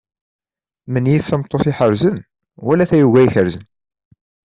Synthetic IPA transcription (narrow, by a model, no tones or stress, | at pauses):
mənjifθæmt̪ˤːoθiħəɾzən | wælæθæjuʝæjiçəɾzən